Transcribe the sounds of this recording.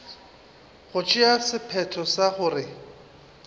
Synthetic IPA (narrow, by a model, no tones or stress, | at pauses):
χʊt͡ʃʼɪasɪpʰɛtʰɔsaχʊrɪ